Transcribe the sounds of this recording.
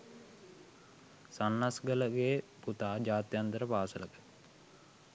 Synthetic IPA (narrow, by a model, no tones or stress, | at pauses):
sanːasɡələɡeːput̪aːd͡ʒaːt̪jant̪əɾəpaːsələkə̥